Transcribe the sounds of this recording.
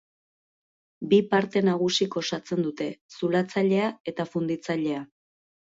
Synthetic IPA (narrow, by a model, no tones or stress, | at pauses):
bipaɾt̪e̞naɣ̞usiko̞sat͡se̞nd̪ut̪e̞sulat͡saʎe̞ae̞t̪afund̪it͡saʎe̞a